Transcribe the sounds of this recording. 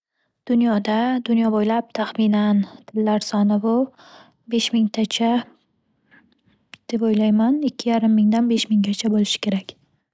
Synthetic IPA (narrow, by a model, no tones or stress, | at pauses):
d̪̥ʊnjɒd̪ad̪ʊnjɒbojlap̚t̪ʰaχminant̪ʰɪlːaɾsɒnɪbʊ | be̞ʃmɪŋt̪ʰat͡ʃʰa | d̪̥e̞pojlajmanɪkʲʰːɪjaɾɪmːɪŋd̪anbe̞ʃmɪŋɡʲat͡ʃʰabolɪʃɪ̥kʲʰe̞ɾakʲ